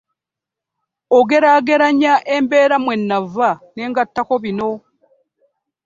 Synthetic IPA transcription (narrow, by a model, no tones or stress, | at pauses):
oɡe̞ɾaɡe̞ɾaɲaʔe̞mbe̞ːɾamwe̞nːavane̞ːŋɡatːako̞βino̞